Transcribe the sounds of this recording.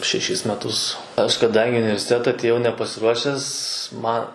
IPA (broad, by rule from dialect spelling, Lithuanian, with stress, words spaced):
ʃʲɛˈʃʲɪs mʲɛˈtʊs ˈɐʃ kɐˈdɐŋʲɡʲɪ ɪ ʊnʲɪʋʲɛrʲsʲɪˈtʲæːtɐ ɐtʲeːˈjɛʊ nʲɛpɐsʲɪˈruɔʃʲɛs ˈmɐ